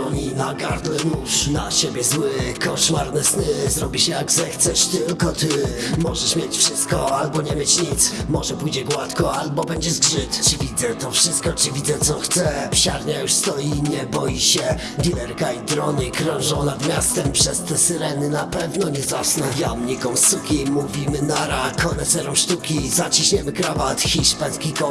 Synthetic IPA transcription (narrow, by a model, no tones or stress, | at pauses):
ɔɲinaɡaɾd̪lɛnuʂnaɕebʲjɛzwɘkɔʂmaɾnɛsnɘzɾɔbʲiɕɛjaɡzɛxt̪sɛʂt̪ɪlkɔt̪ɪmɔʐɛʂmʲjet͡ɕfʂɘst̪̚kɔalbɔɲɛmʲjet͡ɕɲit̪smɔʐɛpujd͡ʑɛɡwat̪kɔalbɔbɛɲd͡ʑɛʐɡʐɘt̪t͡ʂɘvʲid̪zɛt̪ɔfʂɘst̪kɔt͡ʂɘvʲid̪zɛt̪sɔxt̪sɛɕaɾɲajuʂst̪ɔjiɲɛbɔjiɕɛ | d̪ʲilɛɾkaid̪ɾɔɲikɾɔ̃w̃ʐɔ̃w̃nad̪mʲjast̪ɛmpʂɛst̪ɛsɘɾɛnɘnapɛvnɔɲɛzasnɛjamɲikɔ̃w̃sukʲimuvʲimɘnaɾakɔnɛt̪sɛɾɔwʂt̪ukʲizat͡ɕiɕɲɛmɘkɾavat̪xʲiʂpɛskʲikɔ